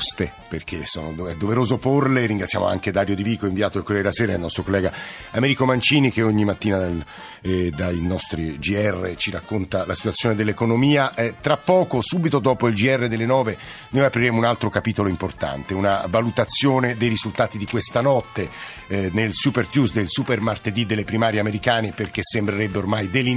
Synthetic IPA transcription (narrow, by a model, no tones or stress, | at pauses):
st̪e | perk̟esɔːnoɛd̪ːoveɾoːzoporleriŋɡɾat̪sja̰mo̰a̰ŋked̪aːɾjod̪iviːkoiɱviaːt̪oelkːɾɛɾlaseːɾailnɔst̪ɾokolːɛːɡa | amɛɾikomant͡ʃiːnik̟eoɲːimat̪ːiːnad̪a | d̪ainɔst̪ɾid͡ʒiɛrːet͡ʃiɾakːont̪alasi̥t̪wat̪sjoːned̪elːekonomiːaʔt̪ɾapːɔːkosuːbit̪od̪ɔːpoild͡ʒiɛrːed̪elːenɔːve | nojapɾiɾeːmounalt̪ɾokapiːt̪oloimport̪a̰nt̪eunavalut̪at̪sːjoːned̪ejrizult̪aːt̪id̪ikwest̪anɔt̪ːe | nelsupert̪jusd̪elsupermart̪ed̪id̪elːepɾimaːɾjeameɾikaːneperk̟esembɾeɾebːeormajd̪elːi